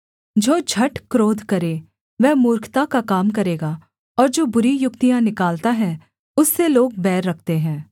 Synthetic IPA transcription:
d͡ʒoːd͡ʒʱɐʈkɾoːd̪ʱkɐɾe | ʋɛːmʊːɾkʰt̪akakaːmkɐɾeːɡa | ɔːɾd͡ʒoːbʊɾijʊkt̪ijãnɪkaːlt̪aɦɛ̃ː | ʊsːeloːɡ̚bɛːɾːɐk̚ʰt̪eɦɛ̃ː

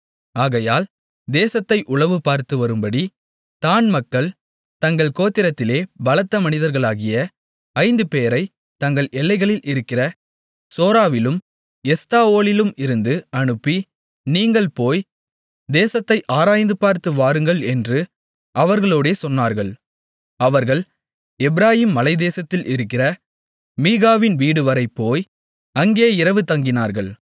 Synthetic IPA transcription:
aːɣɐjaːl | d̪eːsɐt̪ːɐɪʔʊɭɐʋɯpaːɾt̪ɯʋɐɾɯmbɐɽi | t̪aːnmɐkːɐɭ | t̪ɐŋɡɐɭkoːt̪ːɪɾɐt̪ːɪleːbɐlɐt̪ːɐmɐnɪðɐɾɣɐɭaːɣɪjɐ | ɐɪnd̪ɯpeːɾɐɪ | t̪ɐŋɡɐɭɛlːɐɪɣɐɭɪlɪɾɯkːɪrɐ | soːɾaːʋɪlɯm | ɛst̪aːoːlɪlɯmɪɾɯnd̪ɯɐɳɯpːi | niːŋɡɐɭpoːj | d̪eːsɐt̪ːɐɪʔaːɾaːjnd̪ɯpaːɾt̪ɯʋaːɾɯŋɡɐɭɛndrɯ | ʔɐʋɐɾɣɐɭoːɽeːsɔnːaːɾɣɐɭ | ɐʋɐɾɣɐɭ | ɛbɪɾaːjiːmːɐlɐɪd̪eːsɐt̪ːɪlɪɾɯkːɪrɐ | miːɣaːʋɪnʋiːɽɯʋɐɾɐɪpːoːj | ɐŋɡeːɪɾɐʋɯt̪ɐŋɡɪnaːɾɣɐɭ

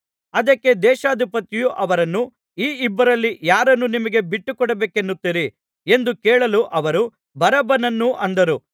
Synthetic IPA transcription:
ɐd̪ɐkːe̞d̪ɛːʃaːd̪ʱipɐt̪ijuʔɐʋɐɾɐnːu | iːibːɐɾɐlːijaːɾɐnːunimɐɡe̞biʈːukɔɽɐbeːkenːut̪ːiɾi | e̞nd̪ukeːɭɐluʔɐʋɐɾu | bɐɾɐbɐnɐnːuʔɐnd̪ɐɾu

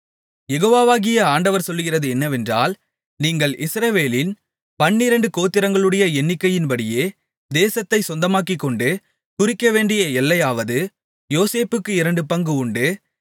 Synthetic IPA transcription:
jɛɣoːʋaːʋaːɣɪjɐaːɳɖɐʋɐɾsɔlːɯɣɪrɐðɯɛnːɐʋɛndra̰ːl | niːŋɡɐɭɪsɾɐʋeːlɪn | pɐɳːɪɾɐɳɖɯkoːt̪ːɪɾɐŋɡɐɭɯɽɐjɐɛnːɪkːɐjɪnpɐɽɪjeː | d̪eːsɐt̪ːɐɪsɔnd̪ɐmaːkɪkːɔɳɖɯ | kʊrɪkːɐʋeːɳɖɪjɐɛlːɐjaːʋɐðɯ | joːseːpɯkːɯɪɾɐɳɖɯpɐŋɡɯʊɳɖɯ

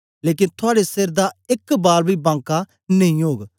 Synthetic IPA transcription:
leːk̬ɪnt̪ʰʊaːɽeseɾd̪aɪkːbaːlbʱibãːŋka | nɐĩɦoːɡ

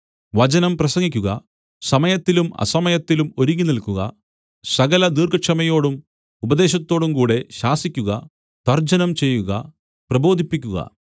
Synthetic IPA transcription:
ʋɐd͡ʑɐnɐmprɐsɐŋːikʲːuɣɐ̰ | sɐmɐjɐt̪ːilumɐ̰sɐmɐjɐt̪ːilumo̞ɾiɣʲinilkuɣɐ̰ | sɐɣɐlɐd̪iːrɡɐkʂɐmɐjo̞ːɽum | ubɐd̪e̞ːɕɐt̪ːo̞ːɽumkuːɽe̞ɕaːsikʲːuɣɐ | t̪ɐrd͡ʑɐnɐmt͡ɕe̞jːuɣɐ̰ | prɐbo̞ːd̪ʱipːikʲːuɣɐ̰

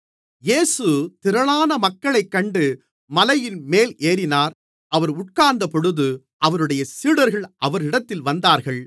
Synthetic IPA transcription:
jeːsɯt̪ɪɾɐɭaːnɐmɐkːɐɭɐɪkːɐɳɖɯ | mɐlɐjɪnmeːlʔeːɾɪnaːɾ | ɐʋɐɾʊʈ̚kaːɾnd̪ɐpɔɽɯðɯ | ʔɐʋɐɾɯɽɐjɐsiːɽɐɾɣɐɭʔɐʋɐɾɪɽɐt̪ːɪlʋɐnd̪aːɾɣɐɭ

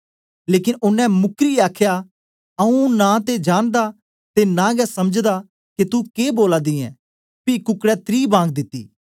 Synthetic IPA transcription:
leːkɪnʊnːɛ̃mʊkɾiaːkʰja | ɐũnat̪ed͡ʒaːnd̪a | t̪enãɡɛsɐməd͡ʒd̪a | ket̪ukeːboːlad̪iɛ̰̃ː | pikʊkɽɛt̪ɾiːbãːŋɡ̚d̪ɪt̪ːḭː

